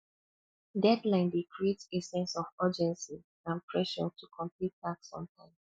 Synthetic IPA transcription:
dɛdlãɪ̃ndekɹietesɛ̃nsɔvɜd͡ʒɛ̃nsi | ãnpʰɹɛʃɔ̰tʰukʰɔ̃mplit̚ːaksɔ̰̃mtʰãɪ̃m

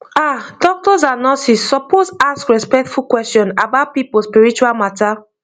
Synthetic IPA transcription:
adɔk̚tɔzanɔsisːɔposaskɹɛspɛk̚tfukwɛstjɔ̃na̰baʊt̚pipospiɹit͡ʃualmata

